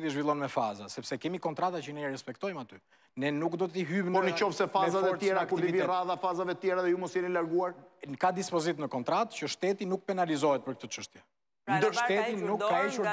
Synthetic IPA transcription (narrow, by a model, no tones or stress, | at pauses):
ðiʒvilˠɔnmɛfazasɛpsɛkɛmikɔnt̪ɾat̪at͡ʃənɛɛɾɛspɛkt̪ɔjmat̪y | nɛnukd̪ɔt̪iɦympɔnət͡ʃɔfsɛfazavɛɾt̪ɛɾaaktuɾiiiviraðafazavɛət̪jɛɾaðɛjumɔsjɛnilaɾɡuaɾnkad̪ispɔzit̪nəkɔnt̪ɾat̪t͡ʃəʃt̪ɛt̪inuk̚pɛnalizɔɦɛt̪̚pəɾkət̪ɔt͡ʃəʃt̪jɛ | nd̪əɾʃt̪ɛt̪inukːaiʃuɾ